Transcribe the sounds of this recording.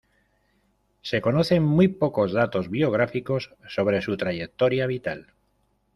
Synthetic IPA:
se̞ko̞no̞θe̞mmwujpo̞ko̞zðat̪o̞zβio̞ɣ̞ɾafiko̞sːo̞βɾe̞sut̪ɾaʝe̞k̚t̪o̞ɾjaβ̞it̪al

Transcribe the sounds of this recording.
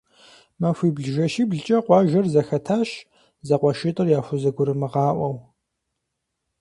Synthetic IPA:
mɐfʷiːbɮʒɐʃiːbɮɨt͡ʃʼɐqʷɑːʒɐrzɐxɐtʰaːʃ | zɐqʷɔʃɪtʼɨrjaːfʷʊzɐɡʷʊɾɨmɨʁɑːʔʷɐw

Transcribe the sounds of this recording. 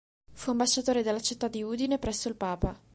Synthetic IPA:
fuambaʃːat̪oːɾed̪elːat͡ʃit̪ːad̪ːiuːd̪inepɾɛsːoilpaːpa

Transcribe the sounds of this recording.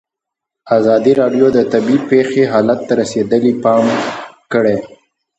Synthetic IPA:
azɑd̪iɾɑɖjod̪ət̪abipexeɦɑlat̪ːaɾased̪əlipɑmkəɽe

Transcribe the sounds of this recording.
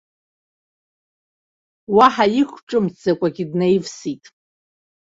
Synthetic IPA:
waħajɪkʷʈ͡ʂʼɨmt͡sakʷʼaɡʲidnejvsitʼ

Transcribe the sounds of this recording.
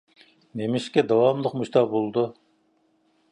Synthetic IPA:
nemɪʃkʲɛd̪ɑwɑmlˠəqmuʃt̪ʰɑʁbolˠd̪u

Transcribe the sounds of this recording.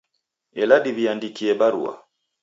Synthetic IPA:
ɛlaɗiβiandikiɛbaɾṵa̰

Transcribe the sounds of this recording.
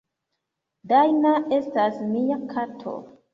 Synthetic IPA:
dajnaʔe̞stasmiakʰatʰo̰

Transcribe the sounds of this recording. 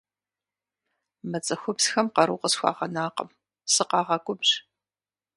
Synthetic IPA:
mɐt͡sʼɐxʷʊbsxɐmqɐɾuːqəsxʷɑ̰ːʁɐnaːqə̰m | sɨqɑːʁɐkʷʼʊbʑ

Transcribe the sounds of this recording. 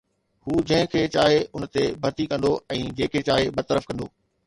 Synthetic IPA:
huːd͡ʑɐ̃ɦɪ̃kʰeːt͡ɕaːɦeʊnə̆t̪ebʱɐɾt̪ikɐ̃nd̪oɛ̃ːd͡ʑẽːkʰeːt͡ɕaːɦebɐt̪əɾəfkɐ̃nd̪oː

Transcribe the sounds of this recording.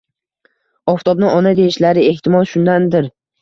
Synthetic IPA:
ɒft̪ʰɒbnɪɒnad̪e̞ɪʃlaɾɪe̞ht̪ʰɪmɒlˠʃʊnd̪and̪ɪɾ

